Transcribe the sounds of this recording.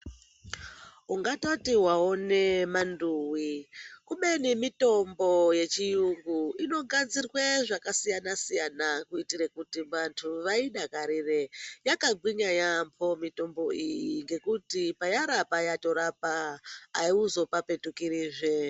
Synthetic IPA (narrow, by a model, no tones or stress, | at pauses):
uŋɡatotiwao̞ne̞manduwikuɓenimito̞mbo̞je̞t͡ʃijuŋɡuino̞ɡad͡zirweʐakasijanasijanakuitiɾekutiʋantʰuʋaiɗakaɾirejakaɡwiɲajampʰo̞mito̞mbo̞ijjiŋɡe̞kutipajaɾapajato̞ɾapaː | iuzo̞pape̞tukiɾiːʐe